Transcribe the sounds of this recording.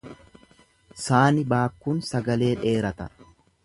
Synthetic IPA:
saːnɪbaːkːuːnsɐɡɐle̞ːᶑe̞ːɾɐt̪ɐ

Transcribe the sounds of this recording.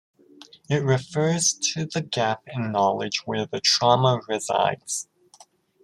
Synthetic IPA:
ɪt̚ɹɨfɜ˞z̥tʰɨðɨɡæpɪ̃nːɑlˠɪd͡ʒwə˞ðɨtʰɹ̥ɑməɹɪza̰ɪdz̥

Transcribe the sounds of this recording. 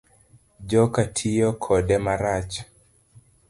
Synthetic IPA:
d͡ʒɔkatʰijɔkʰɔdɛmaɾat͡ʃ

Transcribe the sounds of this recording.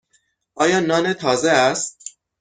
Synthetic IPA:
ʔɒːjɒːnɒːnet̪ʰɒːzeæst̪̚

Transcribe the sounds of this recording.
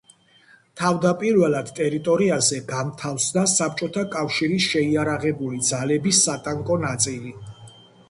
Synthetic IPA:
t̪ʰavd̪apʼiɾvɛlˠad̪̥t̪ʼɛɾit̪ʼɔɾiazɛɡamt̪ʰafsd̪asap̚t͡ʃʼɔt̪ʰakʼafʃiɾisʃɛiaɾaʁɛbulid̪zalɛbisːat̪ʼaŋkʼɔnat̪sʼili

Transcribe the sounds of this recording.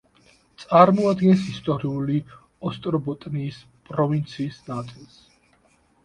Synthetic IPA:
t̪sʼaɾmɔad̪ɡɛnsist̪ʼɔɾiuli | ɔst̪ʼɾɔbɔt̪ʼniːs | pʼɾɔvint̪sʰiːsnat̪sʼilˠs

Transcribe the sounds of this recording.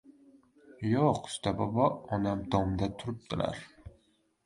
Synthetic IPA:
joqʊ̥st̪abɒbɒɒnamd̪ɒmd̪at̪ʰʊɾɪp̚d̪̥ɪla̰ɾ

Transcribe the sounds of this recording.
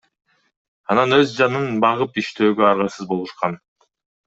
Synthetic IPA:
ɑnɑnøzd͡ʒɑnɯnbɑʁɯpiʃt̪ʰø̞ːɡøɑɾʁɑsɯzbo̞lˠuʃqɑn

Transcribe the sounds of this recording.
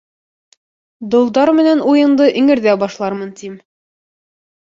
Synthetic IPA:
d̪ŏlˠd̪ɑɾmɘ̆nænujɤ̆nd̪ɤʔɘ̆ŋɘ̆ɾðæbɒʃlˠɑɾmɤnt̪im

